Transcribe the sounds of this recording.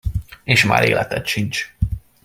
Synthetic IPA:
eːʃma̰ːɾʔeːlʔɛt̪ɛt̪ʃint͡ʃ

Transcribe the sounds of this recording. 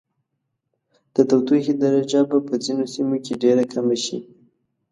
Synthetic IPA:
d̪̥ət̪awt̪ixid̪aɾad͡ʒabapəd͡zinosimokeɖeɾakʰamaʃḭ

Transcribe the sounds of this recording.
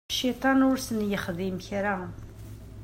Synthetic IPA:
ʃit̪ˤɑnʊɾsənjəχðimçɾa

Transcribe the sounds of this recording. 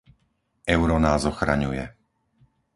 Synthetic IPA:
ɛʊɾɔnaːzɔxɾa̰ɲujɛ

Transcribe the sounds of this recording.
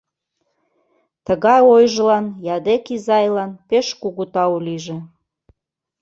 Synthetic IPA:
t̪əɣɑjojʒəlɑnjɑd̪ekizɑjlɑnpeʃkuɣut̪ɑuliʒĕ

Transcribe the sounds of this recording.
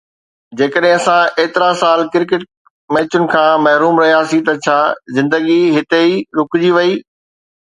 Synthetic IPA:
d͡ʑeːkəɗɦɪ̃ɐsãeːt̪ɪɾasaːlkɪɾkɪʈ̚ | mɛ̃ːt͡ɕʊnɪ̆kʰãːmɐɦɾuːmɾɐɦijaːsit̪ɐt͡ɕʰaːzɪ̃nd̪əɡiɦɪt̪eiɾʊkʊd͡ʑiʋɐiː

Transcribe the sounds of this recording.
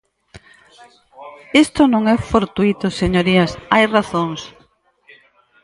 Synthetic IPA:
est̪onõŋɛfoɾt̪uit̪oseɲoɾiasajraθoŋs

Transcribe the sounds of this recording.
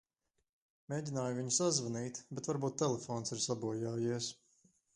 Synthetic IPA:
meːɟʲinaːjuviɲusazvaniːt̪bɛt̪vaɾbuːt̪̚ːɛlˠɛfɔːnsiɾsabuɔjaːjiɛs

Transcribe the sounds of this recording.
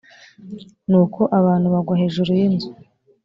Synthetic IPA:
nuːkʰo̞ʔaβaːn̥huβaɡwaɦe̞ːʒuɾujinzu

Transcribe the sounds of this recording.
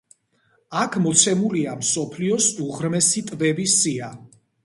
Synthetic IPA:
akʰmɔt̪sʰɛmuliamsɔpʰliɔsuʁɾmɛsit̪ʼvɛbisia

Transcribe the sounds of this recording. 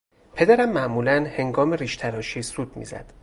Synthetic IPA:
pʰe̞d̪æɾæmːæʔmuːlænhe̞ŋɡɒːmeɾiːʃt̪ʰæɾɒːʃiːsuːd̪̥mḭzæ̰d̪̥

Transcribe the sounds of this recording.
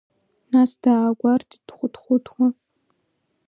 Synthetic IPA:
nasdaːɡʷartʰd̥χʷʊtχʷʊtʰwɔ

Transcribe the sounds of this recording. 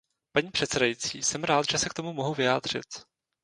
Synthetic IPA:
paɲiːpr̥ɛt̪t͡sɛdajit͡sḭːsɛmɾaːt̪ʒɛsɛkt̪o̞mumoɦuvɪjaːd̪r̝̥ɪ̰t̪

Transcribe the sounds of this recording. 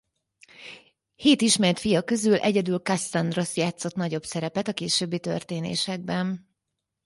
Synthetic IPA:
heːt̪iʃmɛrt̪fijɒkø̞zylʔɛɟɛd̪ylkasːand̪ro̞sjaːt̪so̞t̪nɒɟo̞bsɛɾɛpɛt̪ɒkeːʃøːbːit̪ø̰rt̪eːnḛːʃɛɡ̚bɛn

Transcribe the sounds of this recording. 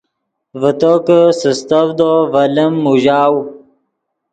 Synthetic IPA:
vət̪okəsəst̪əvd̪ovɐləmːuʑaːw

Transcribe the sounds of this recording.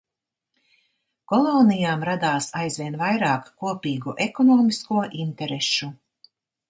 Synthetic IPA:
kɔlˠɔːnijaːmɾad̪aːsajzvʲiɛnvajɾaːkːuɔpiːɡuʔɛkɔnɔːmiskuɔʔint̪ɛɾɛʃu

